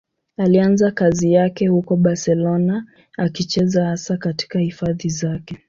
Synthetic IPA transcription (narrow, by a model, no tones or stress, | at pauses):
alianzakazijakɛhukɔɓasɛlɔna | akit͡ʃɛzahasakati̥kahifaðizakɛ